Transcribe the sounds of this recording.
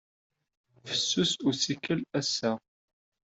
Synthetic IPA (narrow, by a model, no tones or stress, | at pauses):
fə̥sːʊsʊɾsikəlæsːæ